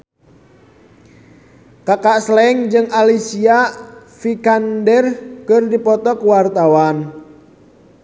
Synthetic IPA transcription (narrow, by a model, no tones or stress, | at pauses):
kakaʔslɛŋd͡ʒɨŋalisiafikandɛrkɨrdipɔt̪ɔkwart̪awan